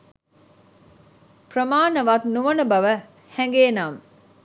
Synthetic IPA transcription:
prəmaːnəʋaːt̪nuʋɐnəbɐʋə | hɛŋɡeːnaːm

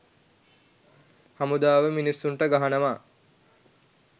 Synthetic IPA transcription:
hamud̪aːʋəminisːunʈəɡaɦanəʋaː

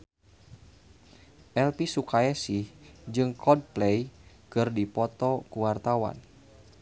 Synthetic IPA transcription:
ʔɛlpisukaɛsihd͡ʒɨŋkɔd̚plɛj | kɨrdipɔt̪ɔkuwart̪awa̰n

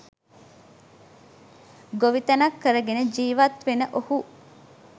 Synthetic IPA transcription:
ɡoʋit̪ɐnɐkʰːəɾəɡened͡ʒiːʋɐt̪ʋenəʔohu

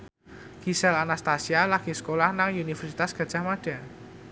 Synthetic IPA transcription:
ɡ̥isɛlanast̪asialaɡ̥isə̥kolahnaŋunifərsit̪asɡ̥a̤d̥ʒ̥a̤hmaɖ̥a̤

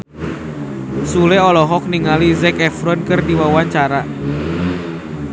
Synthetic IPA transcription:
sulɛɔlɔɦɔk̚niŋalizɛkɛfɾɔnkɨrdiwawaɲt͡ʃaɾa

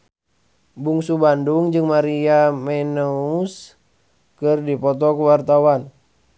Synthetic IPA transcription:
buŋsubanduŋd͡ʒɨŋmaɾiamɛnɔus | kɨrdipɔt̪ɔkuwart̪awan

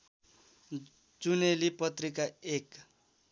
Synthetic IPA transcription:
d͡zunelipʌt̪rikaek

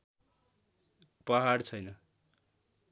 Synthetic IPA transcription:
pʌɦart͡sʰʌjnʌ

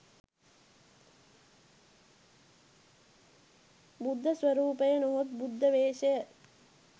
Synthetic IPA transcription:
bud̪ʱːəsʋɐɾuːpəjənuɦot̪̚bud̪ʱːəʋeːʃəjə

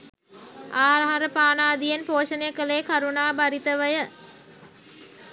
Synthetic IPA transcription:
aːɾaɦɐɾəpaːnaːd̪ijenpoːʃənejəkəlejkaɾunaːbaɾit̪əʋəjə

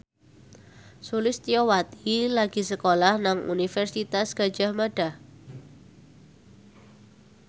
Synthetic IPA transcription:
sulɪst̪iowat̪ilaɡ̥isəkolahnaŋṵnifɛrsit̪asɡ̥a̤d̥d͡ʒ̥a̤hmaɖ̥ah

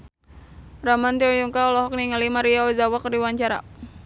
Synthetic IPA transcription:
ramant̪iɔjuŋkaɔlɔɦɔk̚niŋalimaɾiaɔzawakərdiwaɲt͡ʃaɾa̰

